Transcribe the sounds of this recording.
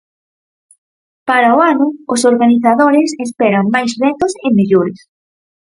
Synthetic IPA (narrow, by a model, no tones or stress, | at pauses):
paɾaʊanʊʊsoɾɣaniθaðoɾɪsespɛɾaŋmajsrɛt̪ʊsɪmeʎoɾɪs